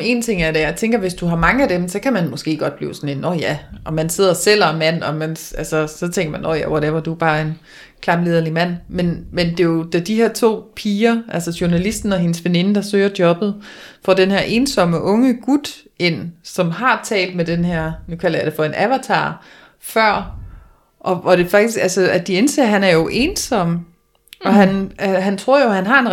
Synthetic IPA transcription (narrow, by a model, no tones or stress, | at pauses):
e̝̰ːnt͡sʰe̝ŋ̰æɐɾ̥ejɑ̈ɪt͡sʰeŋ̰ɡ̥ɐʋe̝sd̥uɦɑ̈mɑ̈ŋəæd̥emsɒ̽kʰæmænmɔ̽sɡ̥e̝̰ːɡ̥ɒ̽d̥b̥lḭːʊsɒ̽ne̝nːɒjæʔɒ̽mænse̝ð̰ˠɐsel̰ɐmæn̰ɒ̽mænʔælsəsɒ̽t͡sʰeŋ̰ɡ̥ɐmænʔɒ̰jæ̰ʋɒɾeʋɐd̥ub̥ɑ̈ːe̝n | kʰlɑ̈mle̝ðˠɐlimæn̰menmend̥e̝jo̝d̥æd̥iheɐ̰t͡sʰo̝̰ːpʰiːɐʔælsɒɕuɐnælisd̥n̩ɒ̽ɦe̝nəsʋene̝nəd̥ɑ̈sø̰ːɐd̥jɒ̽b̥ð̞̩ˠ | fɒd̥enɦeɐ̰ʔe̝nsɒ̽məʔɔ̽ŋəɡ̥ud̥ | e̝n̰sɒ̽mɦɑ̈t͡sʰɛ̰ːld̥̚med̥enɦeɐ̰nukʰæl̰ɐjɑd̥e̝fɒ̽e̝nʔæʋæt͡sʰɑ̰̈ː | fɶɐ̰ | ʔɒ̽ʋɒɾ̥e̝fɑ̈ɡ̥d̥isɡ̥ælsəæd̥ie̝nse̝̰ːɐɦænæɐjo̝ʔe̝ːnsɒ̽m̰ | ɒ̽ɦænɦænt͡sʰʁo̝ɐ̰jo̝hænɦɑ̈en